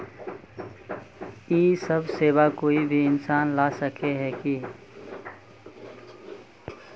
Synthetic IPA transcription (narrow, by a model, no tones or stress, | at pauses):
iːsəbʱseːbakoːibʱiɪnsaːnlasəkʰeɦɛki